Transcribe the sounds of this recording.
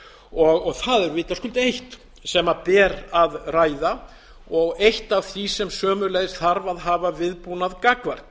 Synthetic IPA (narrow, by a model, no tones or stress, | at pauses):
ɔɣɔɣθaðɛɾvɪːt̪askʏlt̪ejht̪ | sɛmapɛːɾaðraːjða | ɔɣejht̪avθvisɛmsœːmʏlejðsθaɾvaðɦaːvavɪðpuːnaðkakvaɾ̥k